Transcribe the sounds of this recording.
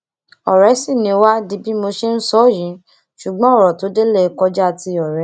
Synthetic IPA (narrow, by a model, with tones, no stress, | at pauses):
ɔ˨ɾɛ˨˦si˦˨nĩ˧˦wa˦di˧˦bi˦mo˧ʃe˦n̩˦sɔ˦˨jĩ˨˦ | ʃu˨ɡ͡bɔ̃˦ɔ˦˨ɾɔ˨to˨˦de˦le˦˨˧kɔ˧d͡ʒa˦˧ti˧ɔ˨ɾɛ˨˦